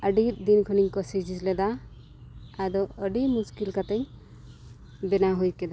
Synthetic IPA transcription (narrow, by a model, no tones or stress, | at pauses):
əɖiɾd̪inkʰɔniɲkɔsid͡ʒislɛd̪aː | dɔəɖimuskilkat̪ɛɲ | bɛnaɦujkɛd̪a